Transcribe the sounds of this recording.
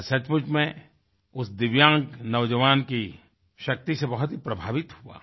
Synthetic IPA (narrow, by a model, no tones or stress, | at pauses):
sɐt͡ʃmʊt͡ʃmẽ | ʊsd̪ɪʋjãːŋknɐʋd͡ʒəʋaːnki | ʃɐk̚t̪isebɐɦʊt̪ɦipɾɐbʱaːʋɪt̪hua̰ː